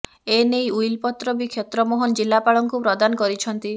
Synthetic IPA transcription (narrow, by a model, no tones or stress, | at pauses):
enejujlpɔt̪ɾɔbikʰjet̪ɾɔmɔɦɔnd͡ʒilːapaɭɔŋkupɾɔd̪anɔkɔɾit͡ʃʰɔnt̪i